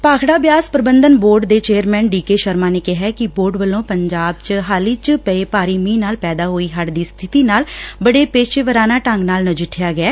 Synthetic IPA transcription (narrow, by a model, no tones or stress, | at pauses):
paːkʰɽaːbjaːspɾəbənd̪ənboːɾɖd̪eːt͡ʃeːəɾmɛːnɖiːkeːʃəɾmaːneːkɪɦɛːkɪboːɾɖbəlõːpəɲd͡ʒaːbt͡ʃəɦaːliːt͡ʃəpəeːpaːɾiːmĩːnaːlpɛːd̪aːɦoːiːɦəʈd̪iːst̪ʰɪt̪iːnaːlbəɽeːpeːʃeːʋəɾaːnaːʈəŋɡnaːlnəd͡ʒɪʈʰːjaːɡɪɛː